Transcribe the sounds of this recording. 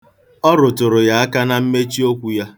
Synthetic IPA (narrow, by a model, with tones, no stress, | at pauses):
ɔ˦ɾʊ˨tʊ˨ɾʊ˨ja˨a˦ka˦na˦m̩˦me˦t͡ʃi˦o˦kʷu˦ja˦